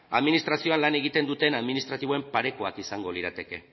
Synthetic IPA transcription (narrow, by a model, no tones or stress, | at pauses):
a̰ðminist̪ɾasio̞anlane̞ɣ̞it̪e̞nd̪ut̪e̞naðminist̪ɾat̪iβ̞o̞e̞mpaɾe̞koakisaŋɡo̞liɾat̪e̞ke̞